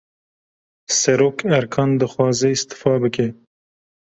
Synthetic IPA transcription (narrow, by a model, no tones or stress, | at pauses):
sɛɾoːkʰæɾkʰɑːnd̪ɨxwɑːzɛist̪ɨ̥fɑːbɨke